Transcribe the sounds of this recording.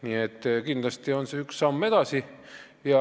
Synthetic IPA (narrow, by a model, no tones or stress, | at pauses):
niet̪ːkind̪̥lɑst̪ionseyksːɑmːe̞d̪̥ɑsi | jɑ